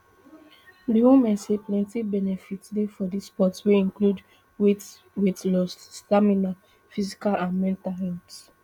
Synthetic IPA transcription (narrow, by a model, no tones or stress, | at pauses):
diwumɛ̃nseplɛ̃ntibɛnɛfitdefɔdispɔtsweĩnklud | wi | witlɔstːamina | fizikalãnmɛ̃ntahɛ̃t